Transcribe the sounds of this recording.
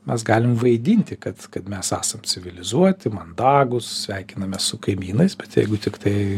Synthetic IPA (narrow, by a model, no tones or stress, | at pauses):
mʲɛs̬ɡɑːlʲɪmʋɐɪd̪ʲinʲt̪ʲɪkɐt̪kɐt̪mʲɛsæ̰ːsɐmt͡sʲɪʋʲɪlʲɪzuɔt̪ʲɪmɐnd̪ɑːɡʊssʲʋʲæɪkʲɪnɐmʲɛssʊkɐɪmʲiːnɐɪsbʲɛt̪jɛɪɡʊt̪ʲɪkt̪ɐɪ